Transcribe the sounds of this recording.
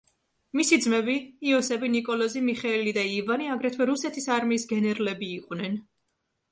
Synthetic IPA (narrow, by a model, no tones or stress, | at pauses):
misid̪zmɛbiːɔsɛbinikʼɔlˠɔzimiχɛɛlid̪aivaniaɡɾɛt̪ʰvwɛɾusɛt̪ʰisaɾmiːsɡɛnɛɾlɛbiːqʼwnɛn